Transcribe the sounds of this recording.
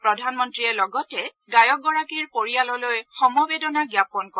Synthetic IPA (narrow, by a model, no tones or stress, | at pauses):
pɹɔdʱanmɔntɹiɛlɔɡɔtɛ | ɡajɔk̚ɡɔɹakiɹpoɹijalɔlojxɔmɔbedɔnaɡjapɔnkɔ